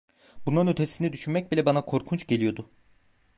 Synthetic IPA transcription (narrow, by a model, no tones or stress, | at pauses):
bund̪anø̞t̪ʰesinɛd̪yʃynmɛc̚bilʲɛbanakʰo̞ɾkʰunt͡ʃɟe̞lʲijo̞d̪ʊ